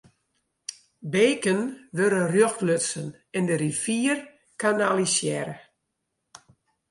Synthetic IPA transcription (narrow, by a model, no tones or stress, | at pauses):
beːkənʋøɾənrjoxtløsən | ɛndərifiːər | kʰanalisjɛɾə